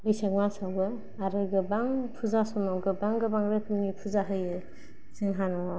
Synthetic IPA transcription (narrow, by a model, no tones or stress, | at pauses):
bɯjsak̚masawbɯ | aɾɯɡɯbaŋpʰuzasɔmawɡɯbaŋɡɯbaŋɾɯkʰɯmipʰuzaɦɯjɯ | siŋɦanɔ